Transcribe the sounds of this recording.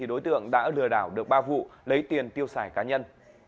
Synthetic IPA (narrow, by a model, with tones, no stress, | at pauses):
i˨˩ɗo˨˦jt̪ɨ̰˧˨əŋɗa̰ː˧˥lɨ˨˩əɗaː˧˩wɗɨ˨˩ək̚ɓaː˧vṵ˧˨lə˨˦jt̪i˨˩ənt̪i˧əwsaː˧˩jkaː˨˦ɲə˧n